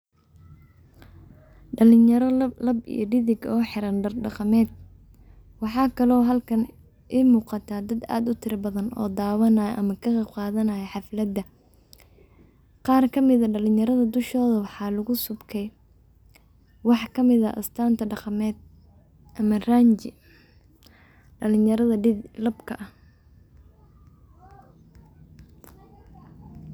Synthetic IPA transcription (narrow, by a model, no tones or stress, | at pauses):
ɖɐlɪnjɐɾlɐbḭjɞɖɪðɪɡɔːħɪɾɐnɖɐɖɑqɑmɛːd̪̚ | wɑħɑːkʰɐlɔːɦɐlkʰɐn | ʔimuːqɑt̪ʰaːd̪ɐd̪a̰ːd̪ʊt̪ʰɪɾɐbɐðɐnɔ̰ːd̪aːwɐnaːjʔɐ̰mɐkʰɐɣɑqɑːðɐnaːjɛħɑflɐd̪ːɐ | qɑːrkʰɐmɪðɐɖɐlɪnjɐɾɐðɐd̪ʊʃɔːðɐwɑħɑːlɐɣʊsʊbkʰɛj | wɑħkʰɐmɪðɐʔɐ̰st̪ʰaːnt̪ʰɐɖɑqɑmɛːd̪̚ | ʔɐmɐraːnt͡ʃɪ | ɖɐlɪnjɐɾɐðɐɖɪdlɐbkʰɐʔɐ